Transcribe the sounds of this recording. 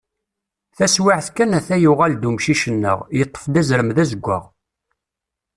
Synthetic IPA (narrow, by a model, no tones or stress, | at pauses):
θæswɪʕθkːænæθæjuʁæld̪umʃiʃənːə̰ʁjət̪ˤːə̥fd̪æzɾəmðæzəɡʷːə̰ʁ